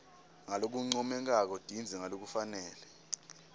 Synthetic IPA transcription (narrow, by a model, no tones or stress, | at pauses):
ŋalok̬uŋ͡ǀɔmɛŋk̬ʼak̬ɔd̥ʱind͡zʱɛŋalok̬ufanɛːlɛ